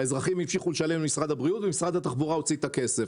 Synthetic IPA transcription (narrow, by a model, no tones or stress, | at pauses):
aezʁaχimhifʃiχuleʃalemmisʁad̪abʁiut̪vemisʁad̪hat̪aχbuʁaot͡sit̪akese̞f